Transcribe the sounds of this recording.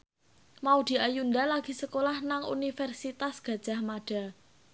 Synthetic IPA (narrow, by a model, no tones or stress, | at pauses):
maud̪̥i̤ʔajund̪alaɡ̥i̤səkolahnaŋṵnifɛrsit̪asɡ̥ä̤d̥ʒ̥a̤hmaɖ̥a̤